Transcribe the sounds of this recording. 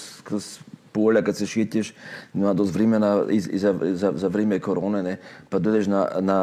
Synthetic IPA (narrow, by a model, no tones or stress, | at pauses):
skɾospoɔlʲakat̪sɛʃɛc̪ɛʃnmad̪ɔsvɾɛmɛnaizḭzazazavɾɛmɛkoɾɔnɛnɛpad̪ɔjd̪ɛʃnana